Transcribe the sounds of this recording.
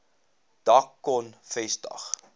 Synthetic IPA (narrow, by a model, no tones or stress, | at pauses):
d̥ɐkːɔnfɛstɐ̰χ